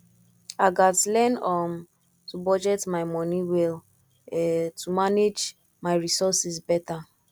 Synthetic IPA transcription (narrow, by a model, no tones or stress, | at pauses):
aɡatlɛnɔm | tubɔd͡ʒɛtmaɪmɔniwɛl | ɛtʰumaned͡ʒ | maɪɹisɔsizbɛta